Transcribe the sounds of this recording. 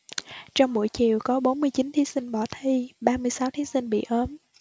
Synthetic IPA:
t͡ɕɔ˧wŋ͡mɓṵ˧˩jt͡ɕḭ˧˨əwkɔ˨˦ɓo˨˦nmɨ˧əjt͡ɕi˨˦nt̪ʰi˨˦si˧ŋ̟ɓɔ˧˩t̪ʰi˧ɓaː˧mɨ˧əjsaː˨˦wt̪ʰi˨˦sï˧ŋ̟ɓḭ˧˨ʔəː˨˦m

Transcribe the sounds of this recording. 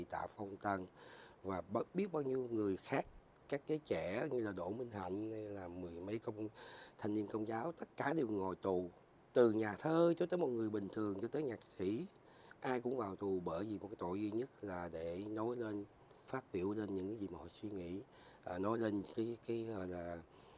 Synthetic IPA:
i˨˩t̪a̰ː˧˨fə˧wŋ͡mt̪ə˧nvaː˨˩ɓɓi˦˥ət̚ɓaː˧wɲi˧əwŋɨ˨˩əjxaː˦˥k̚ | kaː˦˥k̚zəː˨˦jt͡ɕɛ˧˩ɲɨ˧laː˨˩ɗo̰˧˩mï˧ŋ̟ha̰˧˨jŋ̟n˧laː˨˩mɨ˨˩əjmə˨˦jkə˧wŋ͡mt̪ʰa˧jŋ̟ni˧ənkə˧wŋ͡mzaː˨˦wt̪ə˦˥t̚kaː˧˩ɗe˨˩wŋo˨˩jt̪u˨˩ | t̪ɨ˨˩ɲaː˨˩t̪ʰəː˧t͡ɕo˨˦t̪əː˨˦mo˨˩t̚ŋɨ˨˩əjɓï˨˩ŋ̟t̪ʰɨ˨˩əŋt͡ɕɔ˧t̪əː˨˦jɲaː˨˩k̚sḭ˧˥ | ʔaː˧jkʊ̰˧˥ŋ͡mvaː˨˩wt̪u˨˩ɓəː˧˩jzi˨˩m˨˩t̚kːaː˨˦jt̪o̰˧˨jzi˧ɲə˦˥t̚laː˨˩ɗe˧˩no˨˦jle˧n | faː˦˥t̚ɓi˧˩əwle˧nɲɨ̰˧˥ŋkaː˨˦jzi˨˩maː˨˩hɔ̰˧˨swi˧ŋḭ˧˥ | ʔnɔ˨˦jle˧nkaː˨˦jkaː˨˦jə˧˩laː˨˩

